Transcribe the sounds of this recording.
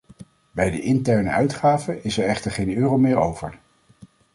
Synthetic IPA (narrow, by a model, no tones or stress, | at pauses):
bɛjdəʔɪntɛɹnə̰ʔœɥtχaːvəʔɪsɛɹɛχtəɹχejnøːrowmɪːɹowvə̰ɹ